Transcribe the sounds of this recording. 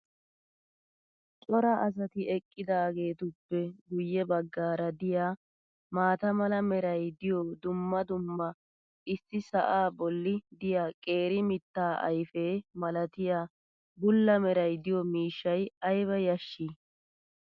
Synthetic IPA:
t͡ʃʼɔɾɐʔɐs̬ɐt̪ɪɛkʼːɪd̪aːɡe̞ːt̪ʊpːɛɡʊjːɛbɐɡːaːɾɐd̪ɪjaː | maːt̪ɐmɐlɐmɛɾɐjd̪ɪjɔd̪ʊmːɐd̪ʊmːɐ | ɪsːɪsɐʔaːbɔlːɪd̪ɪjaːkʼe̞ːɾɪmɪt̪ːaːʔɐ̰jfeːmɐlɐt̪ɪjaː | bʊlːɐmɛɾɐjd̪ɪjɔmiːʃːɐjɐjβɐjɐʃːiː

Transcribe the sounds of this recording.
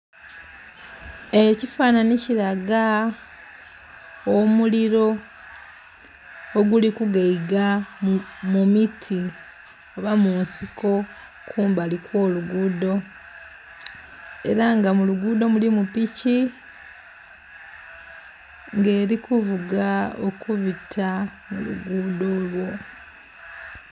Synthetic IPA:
e̞cifananiciɾaɡa | omuliɾo̞ | oɡulikuɡaiɡa | mumitʰi | oβamuːnsikʰo̞ | kʰuːmbalikwo̞ːluɡuːdo̞ | e̞ɾaŋɡamuluɡuːdo̞mulimupici | ŋɡe̞ːɾikuvuɡaokuβitʰa | mṵlṵɡuːdo̞lwo̞

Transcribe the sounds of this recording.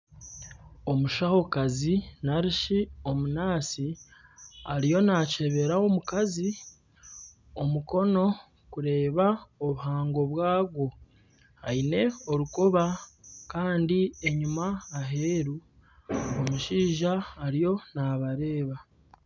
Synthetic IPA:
o̞muʃaho̞kazinaɾiʃio̞munaːsi | aɾijo̞nace̞βe̞ɾaomukazi | o̞muko̞no̞ | kuɾe̞ːβaoβuhaːŋɡo̞βwaːɡwo̞ | haine̞o̞ɾukoβakaːndieɲumaːɦeːɾu | omuʃiːʒaːɾijo̞naβaɾe̞ːβa

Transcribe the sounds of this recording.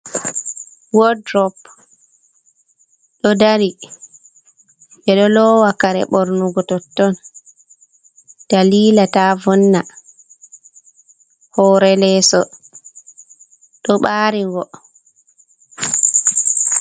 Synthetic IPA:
wɔdɾɔp | ɗɔdaɾi | ɓɛɗɔlɔwakaɾɛ̰ɓɔɾnuɡɔtɔtːɔn | d̥aliːlatavɔnːa | hɔːɾɛlɛːsɔ̰ | ɗɔɓaːɾiŋɡɔ

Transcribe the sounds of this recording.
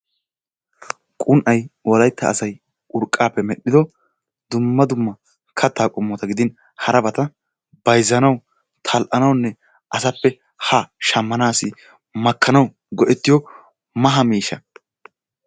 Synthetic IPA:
kʼʊnʔɐjwɔlɐjt̪ːɐ̰ːsɐj | ʊɾkʼːaːpːɛmɛɗːɪd̪ɔ | d̪ʊmːɐd̪ʊmːɐ | kʰɐt̪ːaːkʼʊmːɔt̪ɐɡɪd̪ɪn | hɐɾɐbɐt̪ɐ | bɐjzːɐnɐw | t̪ʰɐlʔɐnɐwnːɛ | ʔɐsɐpːɛ | haʃɐmːɐnaːsɪ | mɐkʰːɐnɐw | ɡɔʔɛt̪ːɪjɔ | mɐɦɐmiːʃɐ

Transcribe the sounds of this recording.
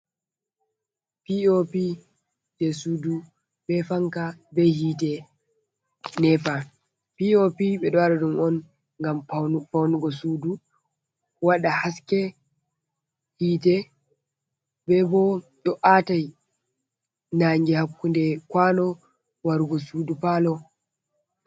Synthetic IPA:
piopi | d͡ʒɛsudu | bɛfaŋkabɛhiːtɛ | nɛfa | piopiɓɛɗɔaɗaɗumɔn | ŋɡamfawnuɡɔsudu | waɗahaskɛ | hiːtɛ | bɛbɔɗɔʔataj | naŋɡɛhakːundɛkwanɔ | waɾuɡɔsudupalɔ

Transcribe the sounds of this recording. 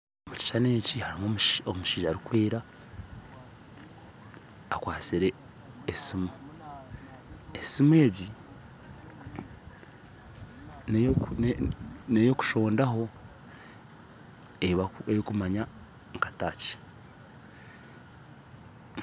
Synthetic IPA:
omuci̥ʃaneːcihaɾimomʃomuʃiːʒaɾikweːɾa | kwaːt͡siɾe̞ː | simu | esimue̞ːɟi | nnnejo̞ku̥ʃo̞ːndaɦo̞ | eβejokumaɲa | ŋkḁtaːce̥

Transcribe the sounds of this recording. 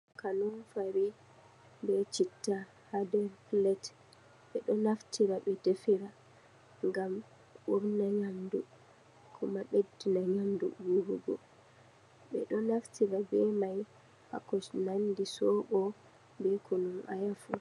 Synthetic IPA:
kanunfaɾi | bɛt͡ʃitːa | hadɛɾflɛt | ɓɛɗɔnaftʰiɾaɓɛdefiɾa | ŋɡam | ɓɔɾnaɲamdu | kʰɔmaɓedːinaɲamdṵɡuɾuɡɔ̰ | ɓɛ̰ɗɔnaftʰiɾabɛmaj | ha̰kːɔnandisɔɓɔ | bɛkʰɔnumʔa̰jafu

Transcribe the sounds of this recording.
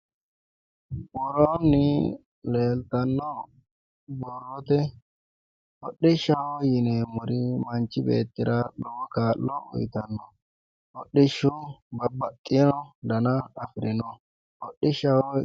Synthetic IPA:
ɓɔɾɔnːi | leːlt̪ɐnːɔ | bɔrːɔt̪ɛ | hɔɗːiʃawɔjinɛmʊɾimɐnt͡ʃibḛːt̪ːɪɾaɗɔwɔkaːlːɔɔ̰jt̪ɐnːɔ | hɔɗːiʃubɐbːɐt̪ʼːɪnɔdɐnaːfɾinɔ | hɔɗːiʃawɔ

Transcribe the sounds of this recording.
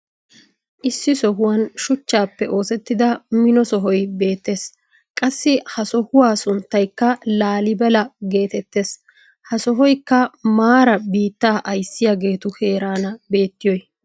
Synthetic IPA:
ʔɪsːɪsɔɦʊwɐnʃʊt͡ʃːaːpːɛʔo̞ːsɛt̪ːɪd̪ɐmɪnɔsɔɦɔjbe̞ːt̪ːe̞ːs | kʼɐsːɪhɐsɔhʊwaːsʊnt̪ːɐjkːɐlaːlɪbɛlɐɡe̞ːt̪ɛt̪ːe̞ːs | hɐsɔɦɔjkːɐmaːɾɐbiːt̪ːaːʔɐjsːɪjaɡe̞ːt̪ʊhe̞ːɾaːnɐbe̞ːt̪ːɪjɔj

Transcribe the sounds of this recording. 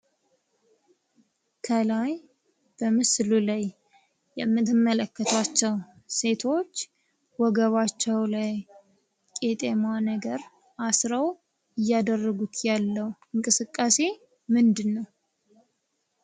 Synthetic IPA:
kʰəlaj | b̥əmɨslulaj | jɛmːɨt̪ːɨmːələkːət̪ʰat͡ʃːɛw | se̞t̪ʰo̞t͡ʃː | wɔɡəβat͡ʃːɛwlaj | kʼet̪ʼemanəɡəɾ | ʔasɾəw | ɨjːad̪ərːəɡut̪ʰjalːəwɨŋkʼɨsɨkʼːase̞ | mɨnd̪ɨnːəw

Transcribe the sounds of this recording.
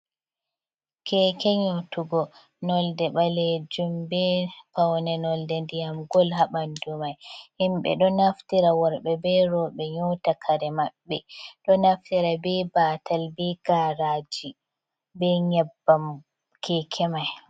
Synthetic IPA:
kʰɛkɛɲotuɡɔ | nɔldɛɓaled͡ʒumbɛpawnɛnɔldɛndijamɡɔlɦaɓandumajhimɓɛ̰ɗɔnaftiɾawɔɾɓɛbɛɾɔɓɛɲɔtakʰaɾɛmaɓːɛɗɔnaftiɾabɛbatʰalbɛɡaɾad͡ʒi | bɛɲɛbːam | kʰɛkʰɛmaj

